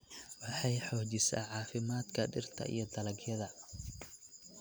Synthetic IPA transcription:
wɑħɑjħɔːt͡ʃɪsa̰ːʕɑːfɪmaːd̪kʰɐɖɪrt̪ʰɐ̰ʔḭjɔd̪ɐlɐɡjɐðɐ

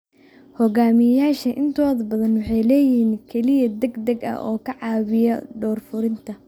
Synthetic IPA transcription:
hɔɣaːmɪjaːʃɐʔɪnt̪ʰɔːðɐbɐðɐnwɑħɑjlɛːjɪnkʰɛlɪjɐd̪ɐɡd̪ɐɡɐ̰ɔ̰ːkʰɐʕɑːβɪjɔɖɔːrfʊɾɪnt̪ʰɐ

